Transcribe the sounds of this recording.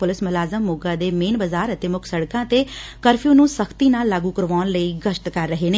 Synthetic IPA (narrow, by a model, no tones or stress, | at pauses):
pʊlɪsmʊlaːzəmːʊɡãd̪eːmeːnbəzaːɾət̪eːmʊkʰsəɽkãːt̪ekəɾfʰijũːnũːsəkʰt̪iːnaːlːaːɡukəɾʋaːnləiɡəʃʈ̪kəɾːəɦeːneː